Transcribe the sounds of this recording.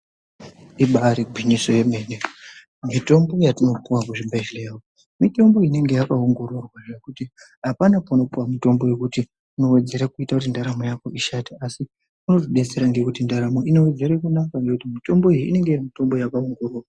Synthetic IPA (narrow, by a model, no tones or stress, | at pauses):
iɓaɾiɡʱwiniso̞je̞me̞ne | mito̞mbo̞jatino̞puwakuʐibʱaʃilawo | mito̞mbo̞ine̞ŋɡe̞jakaoŋɡo̞ɾorwaekuti | ɦapanapono̞puwamito̞mbo̞je̞kuti | uno̞we̞d͡ze̞ɾakuitakut̬indaɾamojako̞ʔiʃataasi | kuno̞ziɗe̞t͡se̞ɾaŋɡe̞kutindaɾamo̞ino̞wed͡zeɾekunakaŋɡe̞kutimito̞mbo̞ijiːne̞ŋɡeamito̞mbo̞jakaoŋɡororwaa